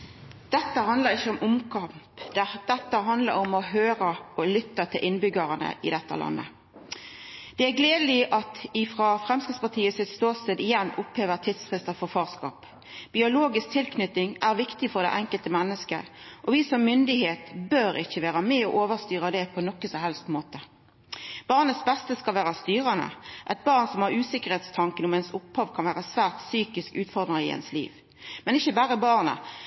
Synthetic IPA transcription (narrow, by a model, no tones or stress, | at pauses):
d̪̥ɛt̪ːəhɑnd̪ləʁɪçːəɔmʔʊmkʰɑmpd̪d̪̥ɛt̪ːəɦɑnd̪lə̰ɾɔmɔɦøːɾəɔlʏt̪ːɑt̪ʰɪlʔɪnbʏɡəʁənə̰ʔɪ̰d̪ɛt̪ːə̰lʔɑ̰nːə̰ | d̪̥ɛæɡleːd̪lɪʔɑt̪ɪfʁɑfʁɛmskɪtspɑʁt̪ʰiːəsɪt̪st̪oːsɪd̪ɪjɛnːʊpheːʋəʁt̪ʰɪd̪sfʁɪst̪əfɔʁfɑːʁskɑ̰ːp | bɪʊloːɡɪsk̚t̪ʰɪlkʰnʏt̪ɪŋʔæʁʋɪkt̪ɪfɔʁd̪æ̰ɪʔɛŋkəlt̪əmɛnːəskə̰ | ʔɔʋiːsɔmːʏnd̪ɪheːt̪bøːɾɪçːəʋæːʁɑmɛɔʔoːʋəʁst̪yːʁəd̪ɛpʰɔnɔkːəsɔhɛlst̪moːt̪ə | b̥ɑːʁnəsbɛst̪əskɑlʋæːʁɑst̪yːʁɑnə̰ʔɛt̪̚bɑːʁnsɔmhɑʁʉːsɪkəʁheːt̪st̪ʰɑŋkənʊmɛnsʊphɑːʋkʰɑnʋæːʁəsʋæːʁt̪syːkɪskʉːt̪fɔʁd̪ʁəɪ̰ɛ̰nslḭːʋ | mɛnɪçːəbæːʁəbɑːʁnə̰